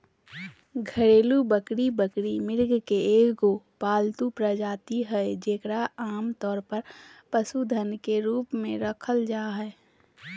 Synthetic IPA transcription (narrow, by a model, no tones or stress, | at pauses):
ɡʱəɽeːlubəkɽibəkɽimɪɾɡkeeːkɡoː | paːlt̪upɾəd͡ʒaːt̪iɦɛd͡ʒeːkɽaaːmt̪ɔːɾpəɾpəsud̪ʱənkeɾuːpmẽɾəkʰəld͡ʒaːɦɛː